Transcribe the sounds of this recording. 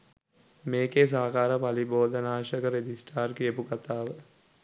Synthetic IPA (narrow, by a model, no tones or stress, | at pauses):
meːkes̬aːkaːɾəpaliboːd̪ənaːʃəkəɾed͡ʒisʈaːrkiepukat̪aːʋə